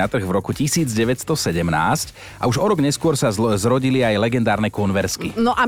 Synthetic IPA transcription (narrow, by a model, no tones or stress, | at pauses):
at̪r̩ɣvɾɔkucisiːd͡zɟɛʋɛcst̪ɔsɛɟɛmna̰ːsc | ʔa̰uʒɔɾɔɡɲɛskʊɔɾsazɾɔɟiliajlɛɡɛnd̪aːɾnɛkɔnʋɛɾskinɔʔa